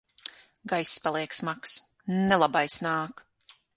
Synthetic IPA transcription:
ɡajsːpalˠiɛksmaks | nɛlˠabajsnaːk

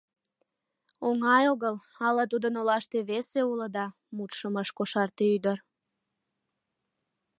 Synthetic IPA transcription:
oŋɑjoɣəl | ɑlɑt̪ud̪ənolɑʃt̪eβeseuləd̪ɑ | mut̪ʃəməʃkoʃɑrt̪eyd̪ər

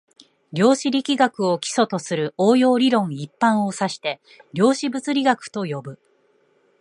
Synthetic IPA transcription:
ɾʲo̞ːɕiɾʲikʲiɡakɯ̟o̞kʲi̥so̞t̪o̞sɨɾɯ̟oːjo̞ːɾʲiɾõ̞ɰ̃ipːãɰ̃o̞saɕi̥t̪e̞ | ɾʲo̞ːɕibɯt͡sɨɾʲiɡakɯ̟̥t̪o̞jo̞bɯ̟

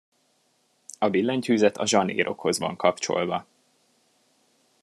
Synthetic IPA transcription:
ɒbilːɛɲchyːzɛt̪ʰɒʒɒnḛːɾʔo̞̰kho̞zʋɒ̰ŋkɒpt͡ʃo̞̰lvɒ

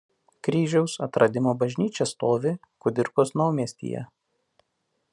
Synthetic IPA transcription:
kɾʲiːʒʲɛʊsɐt̪ɾʔɐd̪ʲɪmoːbɐʒʲnʲiːt͡ʃʲɛst̪oːʋʲɪ | kʊd̪ʲɪɾkosnɐʊmʲiɛsʲt̪ʲḭːjɛ̰

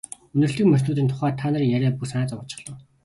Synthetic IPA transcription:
ɵnɵ̆rɬt̪ɵ̆kmœsɮuːt̪iːnt̪ʰʊ̥χæːrt̪ʰaːnăɾiːŋjæɾʲæːpusanaːt͡sɔʁə̆t͡ɕɪ̥̆χɮɞ̆ː

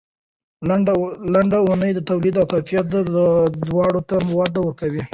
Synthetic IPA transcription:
laɳɖaunəjd̪ət̪awlid̪awkajfijat̪əd̪wɑɽot̪amɪwɑd̪awəkawi

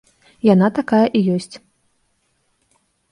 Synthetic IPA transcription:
janat̪akajɐʔijɔsʲt͡sʲ

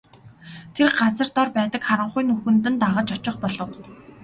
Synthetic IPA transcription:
t̪ʰerɢat͡sə̆rt̪ɔrpæːt̪ə̆kχaɾə̆ɴχʊjnɵxɵ̆nt̪̬ɘ̆nt̪aʁə̆t͡ɕɔt͡ɕɪ̆χpɔɮɞ̆w

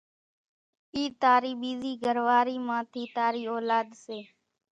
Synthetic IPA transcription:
iːt̪aːɾiːɓiːziːɡʱəɾʋaːɾiːmãːt̪ʰiːt̪aːɾiːoːlaːd̪seː

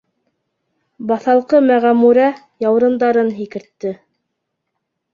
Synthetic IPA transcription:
bɑθɑlˠqɤmæʁæmuɾæ | jɑwɾɤ̆nd̪ɑɾɤnɦikɘ̆ɾt̪ːɘ

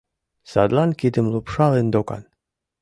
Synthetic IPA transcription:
sad̪lˠankid̪ɘmlˠupʂɑlend̪oka̰n

